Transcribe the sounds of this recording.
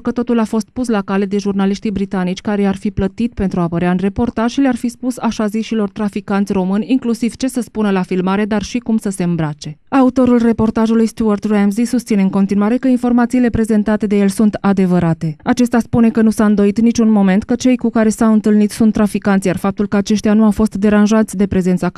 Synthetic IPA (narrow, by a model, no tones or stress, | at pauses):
kət̪o̞t̪ulafo̞st̪̚puslakale̞d̪e̞ʒurnaliʃt̪ibɾit̪anit͡ʃʲkaɾejarfiplət̪it̪̚pe̞nt̪ɾuapəɾeaɨnre̞po̞rt̪aʒ̥ʃilearfispusaʃaziʃilo̞rt̪ɾafikant̪sʲro̞mɨnʲiŋklusiv̥t͡ʃe̞səspunəlafilmaɾe̞d̪arʃikumsəse̞ɨmbɾat͡ʃe̞aut̪o̞ɾulre̞po̞rt̪aʒulujst̪uart̪ramzisust̪sine̞ɨŋko̞nt̪inuaɾe̞kəinfo̞rmat̪siːle̞pɾe̞ze̞nt̪at̪e̞d̪e̞je̞lsunt̪ad̪e̞vəɾat̪e̞at͡ʃe̞st̪aspune̞kənusaɨnd̪o̞it̪nit͡ʃʲunmo̞me̞nt̪kət͡ʃe̞jkukaɾe̞sawɨnt̪ɨlnit̪sunt̪ːɾafikant̪sʲjarfap̚t̪ulkəat͡ʃe̞ʃt̪ijanuawfo̞st̪d̪e̞ɾanʒat̪sʲd̪e̞pɾe̞ze̞nt̪sa